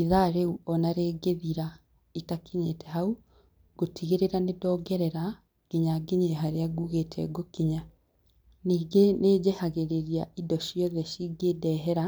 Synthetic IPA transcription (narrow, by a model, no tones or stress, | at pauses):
iðaɾeuɔnaɾeɡeðiɾa | itakeɲetɛɦau | ɡotʰiɣeɾeɾanedɔɡɛɾɛɾa | ɡ̥iɲaɡeɲeɦaɾeaɡuɣetʰɛ̰ɡokiɲa | niːɡeneːd͡ʑehaɣeɾeɾiaʔidɔɕjɔðɛʃiɡedɛɦɛɾa